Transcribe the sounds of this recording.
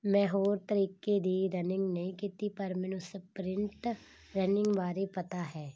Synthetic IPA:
mɛ̃ːɦoːɾt̪əɾiːkeːd̪iːɾənɪ̃ŋɡneĩkit̪iːpəɾmɛ̃ːnʊsepɾɪɳʈ | ɾənɪ̃ŋɡʋaːɾeːpət̪aːɦɛː

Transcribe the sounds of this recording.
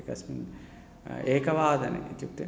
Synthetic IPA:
kɐsmin | eːkɐʋaːd̪ɐnḛit̪juk̚t̪i

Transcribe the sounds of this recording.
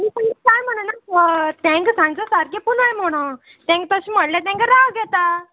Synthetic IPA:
mit̪aekajm̤əɽ̃ənaət̪ɛ̃ŋksãŋɡt͡səsaɾkepunajm̤oɽ̃ə | t̪ɛ̃ŋk̚t̪əɕĩːm̤əɽljat̪ɛ̃ŋkəɾaɡɛt̪a

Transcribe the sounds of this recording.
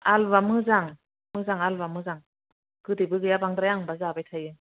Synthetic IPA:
albamɯzaŋ | mɯzaŋalbamɯzaŋ | ɡ̥ɯdibɯɡɯjabaŋd̪ɾajaŋbazabajtʰajɯ

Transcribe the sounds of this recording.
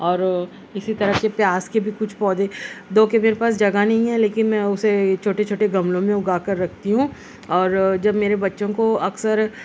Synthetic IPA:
ɔːɾ | ɪsit̪ɐɾəkepjaːskebʱikʊt͡ʃʰpɔːd̪ed̪oːkemeːɾepaːsd͡ʒɐɡanɐɦĩɦɛleːkɪnmɛ̃ʊset͡ʃʰoːʈet͡ʃʰoːʈeɡɐmlõmẽʊɡaːkɐɾːɐk̚ʰt̪iɦũ | ɔːɾd͡ʒɐbmeːɾebɐtːʃõkoɐksəɾ

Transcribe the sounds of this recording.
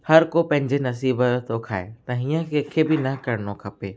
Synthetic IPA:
hɐɾkopɐ̃ɦɪ̃ɲ̆d͡ʑenɐs̬iːbət̪tokʰa̰ːet̪ɐɦijə̃kʰeːkʰebɪnɐkɐɾɪnokʰɐpeː

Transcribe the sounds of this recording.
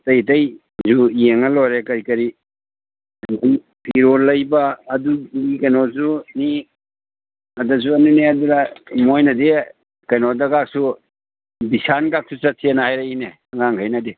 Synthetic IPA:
tɐjtɐj | zujeŋɐlɔɾekɐɾikɐɾi | andi | iɾoɾlɐjbɐːduikɐjnozuni | ɐdɐsuɐnuneɐduɾamojnɐde | kɐjnodɐkak̚su | bisankak̚sut͡ʃɐt̚senahajɾaine | ɐŋaŋɡʰʱajnɐde

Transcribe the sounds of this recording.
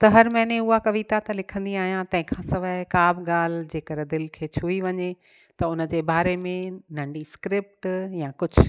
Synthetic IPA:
t̪ɐɦɐɾmɛ̃ːnẽʊakɐʋit̪at̪ɐlɪkʰə̃nd̪iaːɦijãt̪ɐ̃ɦɪ̃kʰãːsɐʋəkaːbɡaːl̤d͡ʑeːkəɾed̪ɪlkʰeːt͡ɕʰuːiʋɐɲe | t̪ɐʊnə̆d͡ʑeːbaːɾemẽnɐ̃ɳɖiskɾɪp̚ʈjãkʊd͡ʑʱʊ

